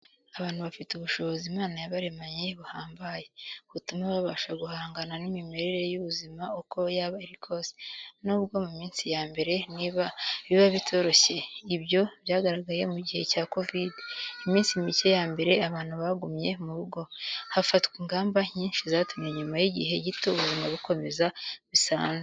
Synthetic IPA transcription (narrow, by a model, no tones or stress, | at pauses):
aβaːnhuβafituβuʃo̞βo̞zimaːnajaβaɾe̞maɲe̞βuhaːmbaje̞βutumaβaβaʃaɡuhaːŋɡananimime̞ɾe̞ɾe̞juβuzimaoko̞jaːβaeɾikʰo̞sinuβuβɡo̞mumiːnsijaːmbe̞ɾe̞niβaβiβaβitʰo̞ɾo̞çe̞iβjo̞βjaːɡaɾaɡaje̞̰muɟihe̞caːko̞vidimiːnsimice̞jaːmbe̞ɾe̞aβaːn̥huβaɡumɲe̞muβuɡo̞hafatkwiːŋɡaːmbaɲiːnʃizaːtumɲeɲumajiɟiɦe̞ɟitoβuzimaβuko̞me̞zaβisa̰ːne